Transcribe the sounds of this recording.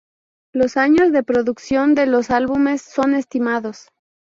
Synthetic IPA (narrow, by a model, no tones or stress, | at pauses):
lo̞saɲo̞zðe̞pɾo̞ðuksjo̞nd̪e̞lo̞salβume̞sːo̞ne̞st̪imaðo̞s